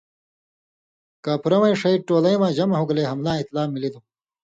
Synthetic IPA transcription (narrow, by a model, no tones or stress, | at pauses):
kaːpʰuɾɐwɐ̃jʂɐiʈoːlɐjwãːʑɐmɐɦuɡleɦɐmlaːit̪laːmːilid̪u